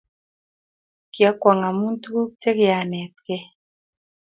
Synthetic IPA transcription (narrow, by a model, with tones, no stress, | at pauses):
kjɔ˨˦kwɔ˨ŋa˨mu˦n˦tu˦ɡu˦k̚te˦kɪ˨˦a˨nɛ˨t̚kɛ˦